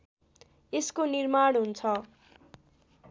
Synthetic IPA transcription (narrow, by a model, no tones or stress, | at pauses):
eskonirmaɽ̃ɦunt͡sʰʌ